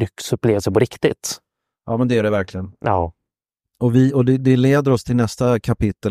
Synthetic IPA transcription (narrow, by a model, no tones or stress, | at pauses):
ʏksɵpːleːvasɛjpɔɾɪkt̪ɪt̪ | jʔɑːmɛnd̪ɛæɖɛvæɾklɪɡənɑː | ɔvɪɔd̪ɛd̪ɛleːd̪əɾɔst̪ʰɪlnɛst̪akʰapɪt̪ːə